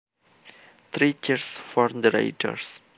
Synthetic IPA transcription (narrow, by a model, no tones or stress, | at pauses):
t̪ʰɾit͡ʃəɾsfɔɾmd̪əɾa̰ɪʈʰə̰ɾs